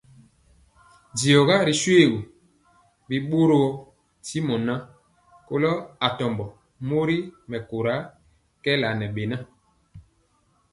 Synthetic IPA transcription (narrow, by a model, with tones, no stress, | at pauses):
di˨ɔ˨ɣa˦ɾi˨swe˦˨ɡu˨ | bi˨ɓo˦ɾo˦˨ | ti˦mɔ˨na˦ | ko˦lɔ˦a˨tɔ˨mbɔ˨ | mo˦ɾi˦mɛ˨ko˨ɾa˨˦ | kɛ˦la˨nɛ˨ɓe˨na˦